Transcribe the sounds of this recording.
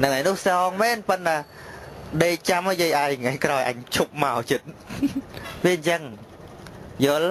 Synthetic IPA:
nɨŋʔajnʊhsɑːŋmɛːnpɨnːa | ɗeːt͡ɕaməjiəjʔaɛjŋajkraɔjʔa̰ɲt͡ɕʰup̚maɔt͡ɕɨt̪̚ | ʋiəɲt͡ɕəŋ | joːl

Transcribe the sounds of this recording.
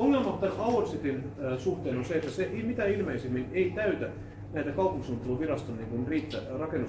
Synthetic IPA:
oŋːelmɑt̪ːɑnɑuersit̪insuht̪eːnonseet̪ːæseʔimit̪æilmeisimːineit̪æyt̪æ | næit̪ækɑupuŋkisunt̪ːeluʋirɑst̪onniːŋkunriːt̪ːærɑkenːu

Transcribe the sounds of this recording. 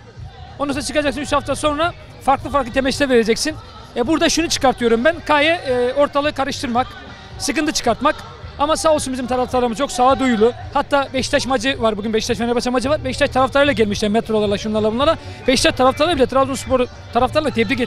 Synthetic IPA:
onusat͡ʃʰɯkad͡ʒaksɯnyt͡ʃhaft̪ʰaso̞nɾa | faɾklˠɯfaɾklˠɯt̪ʰemɛt͡ʃt̪ɛve̞ɾe̞d͡ʒɛcsin | ɛbuɾd̪aʃunut͡ʃʰɯ̥kaɾt̪ʰɯjo̞ɾumbænkʰajɛo̞ɾt̪ʰalˠɯɯkʰaɾɯʃt̪ʰɯɾmak | sɯkɯnt̪ɯt͡ʃʰɯ̥kaɾt̪mak | amasaːolˠsunbizimt̪ʰaɾaflˠaɾlˠaɾɯmɯzt͡ʃʰo̞ksaːd̪ujlˠuhat̪ʰːaːbɛʃt̪ʰaʃmad͡ʒɯvaɾbuɟynbɛʃt̪ʰaʃmɛnɛbat͡ʃʰamad͡ʒɯvaɾbɛʃt̪ʰaʃt̪ʰaɾaflˠaɾɯlˠaɟælʲmiʃlʲæɾmɛt̪ɾo̞lˠaɾlˠaʃunˠaɾlˠabunˠaɾlˠab̥ɛʃt̪ʰaʃt̪ʰaɾaft̪ʰalˠabilʲɛt̪ʰɾazonspʰo̞ɾu | t̪ʰaɾaflˠaɾɯlat̪ʰɛbɾiɟe

